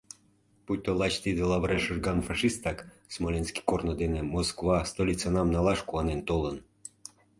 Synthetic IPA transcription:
put̪olɑt͡ɕt̪id̪elɑβɾeʃəʒɡɑnfɑʃist̪ɑk | smolʲenski̥kornod̪enemoskvɑst̪olʲit͡sɑnɑmnɑlɑʃkuɑnent̪olən

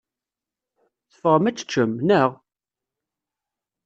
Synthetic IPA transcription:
θə̥fəʁəmæt͡sːə̥t͡ʃːəmnəʁ

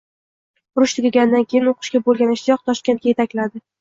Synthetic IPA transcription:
ʊɾʊʃt̪ʰɪɡʲaɡʲand̪ankʲejɪnoqʰɨ̥ʃkʲabolˠɡʲanɪʃt̪ʰɪjɒq̚t̪ʰɒʃkʲe̞nt̪kʲajet̪akʲlad̪ɪ

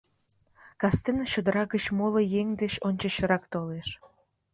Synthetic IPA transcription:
kɑst̪enəɕod̪əɾɑɣət͡ɕmolojeŋd̪eɕonʲt͡ɕə̆ɕəɾɑkt̪oleʃ

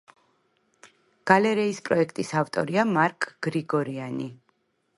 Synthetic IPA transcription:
ɡ̥alɛɾɛispʼɾɔɛkʰt̪ʼisavt̪ʼɔ̰ɾiamaɾkʼɡ̥ɾiɡɔɾiani

